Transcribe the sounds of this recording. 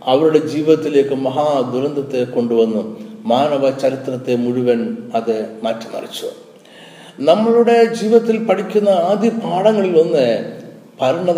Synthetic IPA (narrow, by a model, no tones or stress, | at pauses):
ɐʋɐɾuɽe̞d͡ʑiːʋiðɐt̪ːile̞ːkːɨmɐɦaːd̪uɾɐnd̪ʱɐt̪ːe̞ko̞ɳɖuʋɐnːumaːnɐʋɐt͡ɕɐɾit̪rɐt̪ːe̞muɻuʋɐnɐðɨmɐtːɐnɐ̰rɐ̰t͡ɕːṵ | nɐmːɐɭuɽe̞d͡ʑiːʋiðɐt̪ːilpɐʈʰikʲːunːɐaːd̪ʱjɐpaːɽɐŋːɐɭilonːɨ | pɐɾɐɳɐð